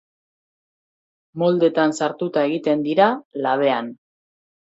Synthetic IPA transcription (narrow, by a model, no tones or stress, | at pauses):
mo̞ld̪e̞t̪ansaɾt̪ut̪ae̞ɣit̪e̞nd̪iɾalaβ̞e̞an